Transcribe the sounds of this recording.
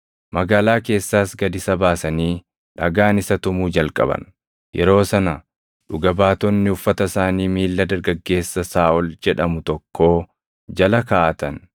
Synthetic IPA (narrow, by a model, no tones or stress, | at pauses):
mɐɡaːlaːke̞ːsːaːsɡɐd̪ɪsɐbaːsɐniː | ᶑɐɡaːnɪsɐt̪ʊmuːd͡ʒɐlkʼɐ̰bɐ̰n | jɛɾo̞ːsɐnɐ | ᶑʊɡɐbaːt̪ɔnːɪʊfːɐt̪ɐsaːniːmiːlːɐd̪ɐɾɡɐɡːe̞ːsːɐsaːʔɔld͡ʒɛᶑɐmʊt̪ɔkːo̞ː | d͡ʒɐlɐkaːʔɐt̪ɐn